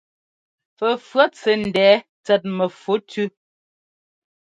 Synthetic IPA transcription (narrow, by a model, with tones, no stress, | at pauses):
fə˨fɰa˦t͡sɛ˨n̩˨dɛː˨˦ | t͡sɛ˨t̬̚mə˨fo˨˦tʰʉ˦